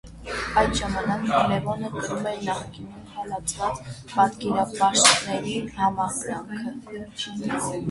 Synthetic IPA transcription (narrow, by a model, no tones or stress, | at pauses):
ɑjt̪ʒɑmɑnɑklɛvɔnət̪ʰumɛɾnɑχkininhʰɑlɑt͡sʰvɑt͡spɑt̪kɛɾɑpɑʃt̪nɛɾihɑmɑɡɾɑŋkʰə